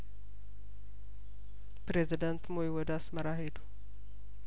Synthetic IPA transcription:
pɾezid̪ənt̪moiwɔd̪asməɾaɦed̪u̥

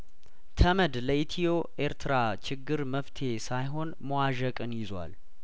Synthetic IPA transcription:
t̪ʰəməd̪ləʔit̪ʰijoʔe̞ɾt̪ʰɨɾat͡ʃʰɪɡːɨɾməft̪ʰe̞sajɦo̞nməwaʒəkʼɨnjɪzwa̰l

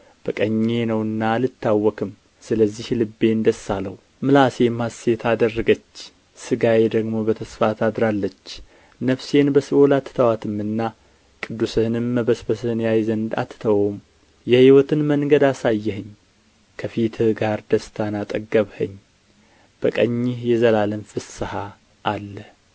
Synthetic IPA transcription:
b̥əkʼəɲːe̞nəwɨnːalɨt̪ʰːawːɔkʰɨm | sɨləzːihlɨbːe̞nd̪əsːaləw | mɨlase̞mase̞t̪ʰad̪ərːəɡət͡ʃː | sɨɡajed̪əɡmo̞bət̪ʰəsfat̪ʰad̪ɾalːət͡ʃː | nəfse̞nbəsɨʔolat̪ʰːt̪ʰəwat̪ʰɨmːɨnːa | kʼɨd̪ːusɨhɨnɨmːəbəsbəsɨhɨnjajzənd̪a̰t̪ːt̪ʰəwom | jɛhiwɔt̪ʰɨnməŋɡəd̪asajːɛɦɨɲː | kʰəfit̪ʰɨɡaɾd̪əst̪ʰanat̪ʼəɡːəβhəɲː | b̥əkʼəɲːɪhjɛzəlalɨnfɨsɨha | ʔːlːə

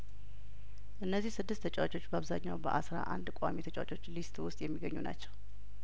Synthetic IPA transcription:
ʔɨnːəzːihsɨd̪ːɨst̪ʰət͡ʃʼwat͡ʃʼo̞t͡ʃːbəaβzaɲːawbəʔasɾa̰ʔa̰nd̪kʼamit̪ʰət͡ʃʼwat͡ʃʼo̞t͡ʃːlist̪ʼwʊst̪ʼjɛmːiɡəɲːuna̰t͡ʃːɛw

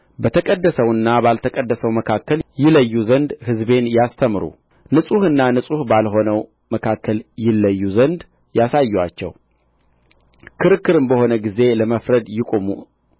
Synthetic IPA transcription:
bət̪ʰəkʼəd̪ːəsəwɨnːabalt̪ʰəkʼəd̪ːəsəwməkʰakːəljɪləjːuzənd̪hɨzbe̞njast̪ʰəmɾṵ | nɨsʼuhɨnːanɨsʼuhbalɦo̞nəw | məkʰakːəljɪlːəjːuzənd̪ | jasajːwa̰t͡ʃːɛ̰w | kʰɨɾɨkːɨɾɨmbəho̞nəɡize̞ləməfɾəd̪jɪkʼomṵ

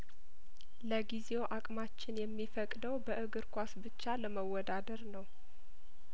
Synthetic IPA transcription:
ləɡizewoʔakʼmat͡ʃːɪnjɛmːifəkʼd̪əwbəʔɨɡɨɾkʷasbɨt͡ʃːaləməwːɔd̪ad̪əɾnəw

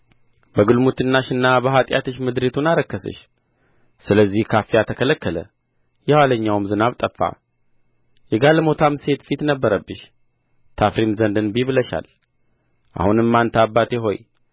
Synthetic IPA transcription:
bəɡɨlmut̪ɨnːaʃɨnːabəɦat̪ʼja̰t̪ʰɨʃmɨd̪ɾet̪ʰunaɾəkːəsɨ̰ʃ | sɨləzːihkʰafijat̪ʰəkʰələkːələ̰ | jɛwaləɲːawɨmzɨnaβt̪ʼəfːa̰ | jɛɡalmo̞t̪ʰamse̞t̪fit̪nəbːəɾəbːɨʃ | t̪ʰafɾimzənd̪ɨnbiβɨləʃa̰l | ʔa̰hunɨmːant̪ʰabːat̪ʰeɦo̞̰j

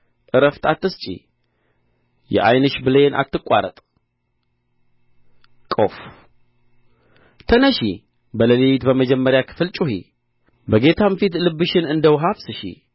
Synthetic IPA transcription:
ʔɨɾəft̪ʰat̪ːɨst͡ʃʼḭ | jɛ̰ʔajnɨʃbɨlenʔa̰t̪ːɨkʼːa̰ɾə̰t̪ʼ | kʼof | t̪ʰənəʃi | bələliwit̪bəməd͡ʒɛmːəɾjakʰɨ̥fɨlt͡ʃʼuɦḭ | bəɡe̞t̪ʰamfit̪lɨbːɨʃɪnɨnd̪əwɦafsɨʃḭ

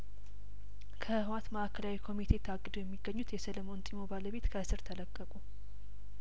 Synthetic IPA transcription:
kʰəhɨwat̪məʔakʰəlawikʰo̞mit̪ʰe̞t̪ʰaɡːɨd̪ojɛmːiɡːəɲːut̪jɛsələmo̞nt̪ʼimo̞baləβe̞t̪kʰəʔsɨɾt̪ʰələkʼːəkʼu

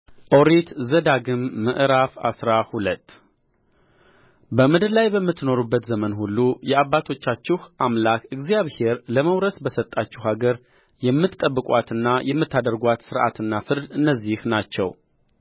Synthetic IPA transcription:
ʔo̞ɾet̪zəd̪aɡɨmːə̰ʔɾafa̰sɾahulət̪ː | bəmɨd̪ɨlajbəmːɨt̪ːno̞ɾubːət̪zəmənhulːujɛaβːat̪ʰo̞t͡ʃːat͡ʃːɪhʔamlakɨɡzjaβhe̞ɾləməwɾəsbəsət̪ʼːat͡ʃːɪɦaɡəɾ | jɛmːɨt̪ːʼəbːɨkʼwat̪ɨnːajʔɛmːɨt̪ʰːad̪əɾɡʷat̪sɨɾʔa̰t̪ɨnːafɨɾd̪ɨnːəzːihnat͡ʃːɛ̰w

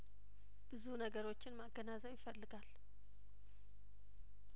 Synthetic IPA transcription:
b̥ɨzunəɡəɾo̞t͡ʃːɪnmaɡːənazəwjɪfəlːɨɡal

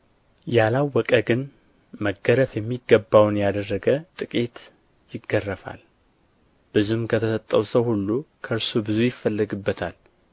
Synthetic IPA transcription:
jalawːɔkʼəɡɨn | məɡːəɾəfjɛmːiɡːəbːawnjad̪ərːəɡət̪ʼɨkʼet̪ | jɪɡːərːəfa̰l | b̥ɨzumkʰət̪ʰəsət̪ʼːəwsəwhulːukʰəɾsubɨzujɪfːəlːəɡɨbːət̪ʰal

